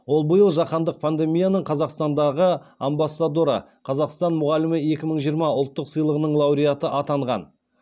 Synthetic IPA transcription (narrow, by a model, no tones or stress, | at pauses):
wo̞lˠbəjəlˠʒɑqɑnd̪əq̚pʰand̪e̞mijanəɴqʰɑzɑqst̪ɑnd̪ɑʁə | ambasːad̪oɾa̰ | qʰɑzɑqst̪ɑnmʊʁɑlɪmɪe̞kʲɪməɴʒijəɾmɑʊlˠt̪ːəqsəjlˠəʁənəɴlˠɑwɾijat̪əʔɑt̪ɑɴʁɑn